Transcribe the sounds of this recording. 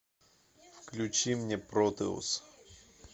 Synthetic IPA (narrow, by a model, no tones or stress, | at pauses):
fklʲʉt͡ɕimnʲɛpɾot̪ɨ̰ʊ̰s